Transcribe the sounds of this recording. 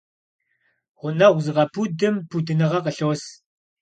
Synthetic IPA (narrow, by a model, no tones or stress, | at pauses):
ʁʷʊnɐʁʷzɨʁɐpʰudɨmpʰudɨnɨʁɐqəɬos